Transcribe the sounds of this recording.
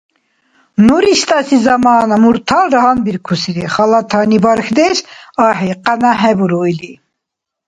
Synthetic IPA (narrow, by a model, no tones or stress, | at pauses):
nuɾist̪ʼɑsizɑmɑːnamuɾt̪ʰɑlɾaɦɑnbiɾkʰusiɾiχɑlɑt̪ʰɑnibɑɾxd̪ɛʃɑɦɛqanaɦɛbuɾujli